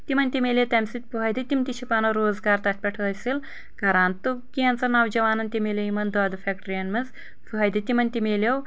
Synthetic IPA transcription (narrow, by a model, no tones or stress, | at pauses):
t̪imɐnʲt̪ʲimelʲet̪ɐmʲsit̪̚ʲpuɦɐjd̪it̪imt̪it͡ʃʰipaːnɐwɾoːzɡaːɾt̪ɐt̪̚ʰʲpʲɐʈʰɐːɐsil | kɐɾaːnt̪ukiɐnt͡sɐnɐwd͡ʒɐʋaːnɐnt̪ʲimelʲɐjimɐnd̪aːd̪ɐfʰʲekʈɐɾijɐnmɨz | puɦɐjd̪ɐt̪imɐnʲt̪imeːlʲɐw